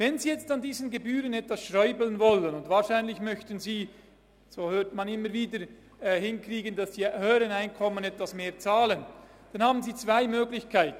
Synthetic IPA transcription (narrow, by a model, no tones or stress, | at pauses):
vɛnziːjɛt͡standiːzənɡebyːʁənɛtvasʃʁɔʏbələnvɔlənʊndvaːɐʃaɪnlɪçmœçtənziː | z̥oːhøːtmanɪmːəɾviːdə | ɛhɪnkʁriːɡənd̥asd̥iːhøːɾənaɪnkʰɔmənɛtvasmeːɐt͡saːlən | d̥anhaːbn̩ziːt͡sv̥aɪmøːɡlɪçkʰaɪtn̩